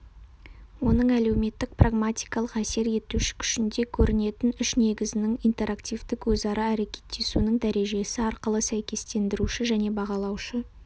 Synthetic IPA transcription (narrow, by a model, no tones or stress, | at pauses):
wo̞nəɴæle̞wme̞t̪ːɪk̚praɡmat̪ʲijkɑlˠəqæse̞ɾe̞t̪uʃɪ̥kʲʰʏ̥ʃɪnd̪e̞kʲʰɵɾɪne̞t̪ɪnʏʃne̞ɡʲɪzɪnɪŋijnt̪e̞ɾakt̪ijvd̪ɪkwɵzɑɾɑæɾe̞kʲʰe̞̥t̪ːe̞sunəɴd̪æɾe̞ʒe̞sɪɑɾqəlˠəsæjkʲe̞st̪e̞nd̪ɪɾuʃɪʒæne̞bɑʁɑlˠɑwʃə